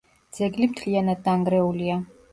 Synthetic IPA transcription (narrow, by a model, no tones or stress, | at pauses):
d̪z̥ɛɡlimt̪ʰlianad̪̚ːaŋɡɾɛulia